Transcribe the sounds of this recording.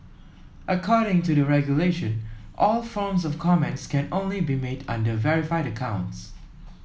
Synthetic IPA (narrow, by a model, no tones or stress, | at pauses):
ʔəkʰɔɾɪ̃ŋtuðəɹɛɡjuleʃə̃nʔɔlˠfɔɹmzɔfkʰɔmɛ̃ntskɛ̃nõʊ̃nlibimedʌ̰̃ndəvɛɹɪfaɪɾəkʰãʊ̃nts